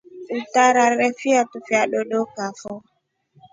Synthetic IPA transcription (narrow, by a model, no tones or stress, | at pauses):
utaɾaɾɛfiatufiaɗɔɗɔkafɔ